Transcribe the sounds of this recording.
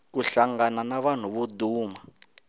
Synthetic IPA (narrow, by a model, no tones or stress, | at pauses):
kuɬaŋananaβan̤uβuduːma